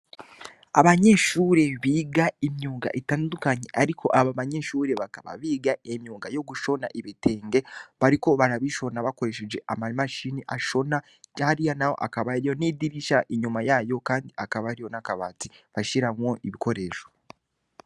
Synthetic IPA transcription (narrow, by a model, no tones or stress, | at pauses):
aβaɲe̞ʃuːɾe̞βiːɡaimjuːɡa̰ʔetaːndukaɲe̞ʔaɾikʰo̞ʔaβaβaɲe̞ʃuːɾe̞βakaβa̰βiːɡaemjuːŋɡajo̞ɡuʃo̞na̰ʔiβite̞ːŋɡe̞βaɾiko̞βaɾaβiʃo̞naβako̞ɾe̞ʃed͡ʒe̞ʔamaimaʃiːniʔaʃo̞na | haɾijanawo̞̰ʔakaβaɾijo̞niːdiɾiʃaʔiɲumajajo̞kaːndiakaβaɾijo̞nakaβa̰ːtiβaʃiɾamwo̞ʔiβiko̞ɾe̞ːʃo̥